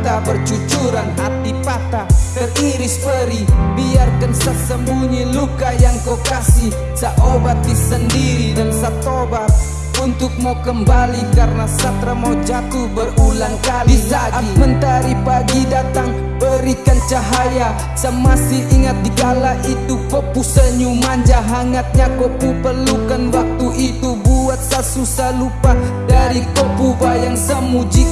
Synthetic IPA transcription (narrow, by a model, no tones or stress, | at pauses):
t̪abərt͡ʃut͡ʃuɾanɦat̪ipat̪at̪əriɾɪspəɾibiarkansəsəmbuɲilukajaŋkokasɪh | saʔobat̪̚disəndiɾidansat̪obat̪̚ | unt̪ʊk̚makəmbalikaɾənasat̪ɾamawd͡ʒat̪uhbərulaŋkaldisaaimənt̪aɾipaɡidat̪aŋ | bəɾikant͡ʃaɦaja | səmasɪhiŋat̪̚diɡalaʔit̪upopusəɲumaɲd͡ʒaɦaŋat̪̚ɲakəpupərlukanwak̚t̪uʔit̪ubuat̪̚sasusahlupah | daɾikopubajaŋsəmud͡ʒi